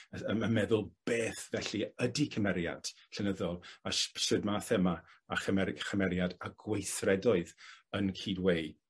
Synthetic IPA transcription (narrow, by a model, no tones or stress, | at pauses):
əəmamɛðʊlˠb̥eːθvɛɬiədikʰəmɛɾja̰d̥ | ɬənəðɔlˠaʃʃɪdmaːθɛmaaχəmɛχəmɛɾjadaɡ̥wejθrɛdɔɨðənkʰiːdwej